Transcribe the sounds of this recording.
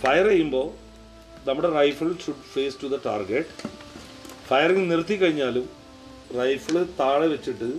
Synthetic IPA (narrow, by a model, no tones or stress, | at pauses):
fɐjɐrɐjːumbo̞ː | nɐmːuɽerɐjfɐɭɕuɖfeːstuðɐʈaːrɡeʈː | fɐjɐriŋnirt̪ʰːikːɐɻiɲːaːlum | rɐjfiɭɨt̪aːɭeʋet͡ɕːiʈːɨ